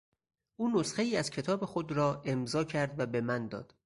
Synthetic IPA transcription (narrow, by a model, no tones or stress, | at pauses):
ʔuːnosxe̞iːæz̥cʰe̞t̪ʰɒːbe̞xod̪ɾɒːʔe̞mzɒːcʰæɾd̪væbe̞mænd̪ɒ̰ːd̪̥